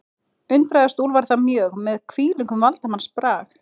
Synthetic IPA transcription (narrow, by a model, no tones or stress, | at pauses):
ʏnt̪ɾajðast̪uːlvaɾ̥θamjœːɣmɛðkʰv̥iːlʏŋkʏmvalt̪amanspɾaːx